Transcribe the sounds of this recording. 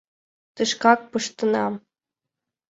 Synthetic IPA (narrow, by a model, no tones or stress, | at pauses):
t̪ɨʃkɑk̚pɤʃt̪ɤ̆nɑ